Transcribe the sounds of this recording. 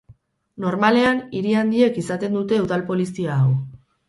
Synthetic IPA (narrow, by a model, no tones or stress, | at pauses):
no̞ɾmale̞aniɾiand̪ie̞kisat̪e̞nd̪ut̪e̞uðalpo̞lisiaːw